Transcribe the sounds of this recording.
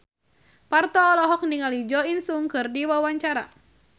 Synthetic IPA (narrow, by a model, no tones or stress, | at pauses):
part̪ɔːlɔɦɔk̚niŋalid͡ʒɔinsuŋkɨrdiwawaɲt͡ʃaɾa̰